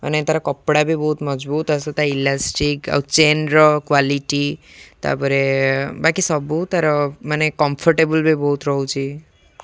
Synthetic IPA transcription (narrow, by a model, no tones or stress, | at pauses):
ə̰net̪aɾɔkɔpɽabʱibɔɦut̪məd͡ʒbuːt̪asɔt̪ailasʈika̰wt͡ʃenɾɔkʋaliʈit̪a̰pəɾebakisɔbut̪aɾɔmanekɔmpʰɔɾʈebəlbʱibɔɦut̪ɾɔɦut͡ʃi